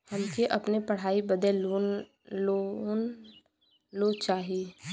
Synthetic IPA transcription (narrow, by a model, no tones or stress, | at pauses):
hɐmkeʔɐpnepɐɽ̤aːibəd̪ɛloː | on | loːt͡ʃaːɦie